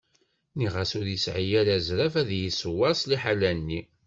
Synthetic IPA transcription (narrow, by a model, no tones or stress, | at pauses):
niʁasʊɾjəsʕijæɾæzɾæfæðjəsəwæsˤliħalænːi